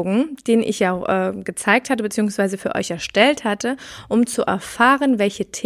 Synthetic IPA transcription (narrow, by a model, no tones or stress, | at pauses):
ɡŋ̩d̥eːnənʔɪ̰çjaʊxʔɛːɡ̥ət͡saɪk̚thatəbət͡siːʊŋsv̥aɪzəfyːɐʔɔ̰ʏçɛɐʃtɛlthatəʔʊmt͡suʔɛ̰ɐfaːʁənvɛlçətʰ